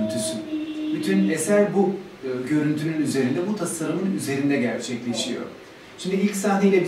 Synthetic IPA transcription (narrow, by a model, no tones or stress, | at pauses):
nt̪ʰysybyt̪ʰynesælʲbu | ɯɟø̞ɾynt̪ʰynynyze̞ɾind̪ɛbut̪ʰasaɾɯmɯnyze̞ɾind̪ɛɟæɾt͡ʃʰɛclʲe̞ʃijo̞̰ | t͡ʃʰind̪iilʲcsaːɦneilʲɛb